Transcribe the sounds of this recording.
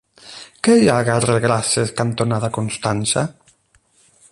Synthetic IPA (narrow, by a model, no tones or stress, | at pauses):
kejaɣareɣɾaseskant̪onaðakonst̪ansa